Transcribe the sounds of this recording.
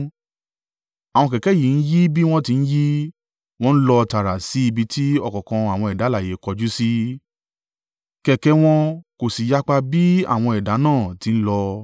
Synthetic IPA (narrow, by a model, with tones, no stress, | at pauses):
a˨w̃ɔ̃˧kɛ˨kɛ˨˦ji˨n̩˦ji˦bi˦w̃ɔ̃˦ti˧ñ̩˦ji˦ | w̃ɔ̃˦n̩˦lɔ˧ta˨ɾa˨si˨˦i˧bi˧ti˦ɔ˧kɔ̃˨kɔ̃˧a˨w̃ɔ̃˧ɛ˨da˨˦la˦˨je˨˦kɔ˧d͡ʒu˦si˦ | kɛ˨kɛ˨˦w̃ɔ̃˦ko˨si˨ja˦k͡pa˧bi˦a̰˦˨w̃ɔ̃˧ɛ˨da˨˦nãː˦˨ti˨˦n̩˦lɔ˧